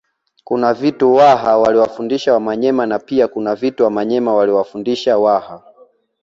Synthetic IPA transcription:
kunavituwaɦawaliwafundiʃawamaɲɛmanapiakunavituwamaɲɛmawaliwafundiʃawaha

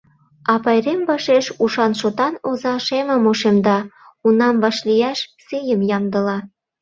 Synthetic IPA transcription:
ɑpɑjremvɑʃeʃuʃɑnʃot̪ɑnozɑʃemə̆moʃemd̪ɑ | unɑmvɑʃlijæʃsejəmjɑmd̪ə̆lɑ

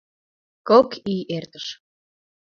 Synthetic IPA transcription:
kokiert̪əʃ

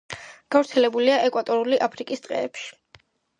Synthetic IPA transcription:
ɡ̥avɾt̪sʰɛlɛbuliaʔɛkʼwat̪ʼɔɾuliʔapʰɾikʼist̪ʼqʼɛ̰ːpʃi̥

